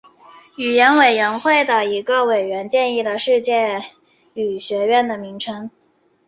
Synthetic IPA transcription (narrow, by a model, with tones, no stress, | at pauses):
y˨˩jɛ˧˥nwe˨˩ɪɥɛ˧˥nxwe˥˩ɪd̪ə˩i˧˥ɡə˧we˨˩ɪɥɛ˧˥nt͡ɕjɛ˥˧ni˥˩d̪ə˩ʂɻ̩˥˧t͡ɕjɛ˥˩ | y˨˩ɕɥɛ˧˥ɥɛ˥˩nd̪ə˩mi˧˥ŋʈ͡ʂʰɤ˥ŋ